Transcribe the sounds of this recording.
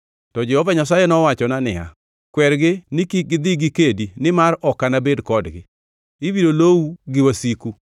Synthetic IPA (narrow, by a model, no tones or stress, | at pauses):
tɔd͡ʒɛhɔvaɲas̬ajɛnɔwat͡ʃɔnanɪa̰ | kwɛɾɡɪnikiɡɪd̪ɪɡɪkedinɪmarɔkanabedkɔdɡɪ̰ | ibidolowuɡɪwasiku